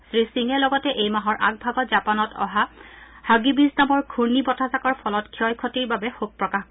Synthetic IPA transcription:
sɹisiŋɛlɔɡɔtɛʔejmaɦɔɹʔaɡ̚bʱabazapanɔtʰɔ̰ɦa | haɡibisdamɔɹkʰuɹnibɔtʰazakɔɹpʰɔlɔtkʰiɔjkʰɔtiɹbabɛxub̚pːɹɔka

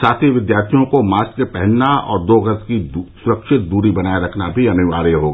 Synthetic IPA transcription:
saːt̪ʰiʋɪd̪jaːɾt̪ʰijõkomaːskepɛɦɛnnaɔːɾd̪oːɡəɾt̪kisʊɾəkʃɪt̪̚d̪uːɾibɐnaːeɾɐkʰnabʱiɐnʊʋaːɾəɦoːɡa

